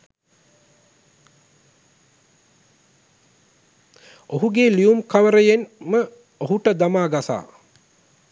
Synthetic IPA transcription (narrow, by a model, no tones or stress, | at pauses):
oɦuɡeːliumkaʋəɾəjenmə | oɦuʈəd̪amaːɡasa̰ː